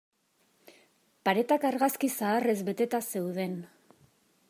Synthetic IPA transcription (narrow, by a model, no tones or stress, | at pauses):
paɾe̞t̪akaɾɣaskisaːre̞zbe̞t̪e̞t̪ase̞wðe̞n